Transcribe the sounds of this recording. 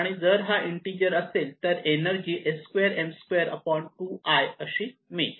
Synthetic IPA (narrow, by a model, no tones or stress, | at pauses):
aɽ̃id͡zəɾɦaʔiɳʈiɾijəɾəselt̪əɾenəɾd͡ʑiːʔeskʋeəɾemskʋeəɾə̰pɔɳʈuːʔajəɕiːmi